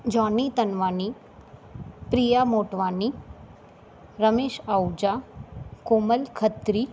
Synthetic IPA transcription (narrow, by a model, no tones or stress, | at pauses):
d͡ʒɔnit̪ənʋaːni | pɾijamoːʈʋaːni | ɾəmeːʃawd͡ʒakoməlkʰət̪ɾi